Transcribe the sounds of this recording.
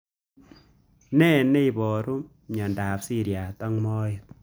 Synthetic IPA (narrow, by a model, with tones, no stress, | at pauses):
nɛ˦˨ne˦i˨bɔ˨ɾu˦ | ɲɔ˨ndaː˨psi˦ɾja˨tɔ˦ŋmɔ˦jɪ˨t̚